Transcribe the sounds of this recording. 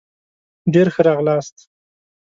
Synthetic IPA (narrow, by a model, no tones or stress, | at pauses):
ɖeɾxəɾɑɣlɑst̪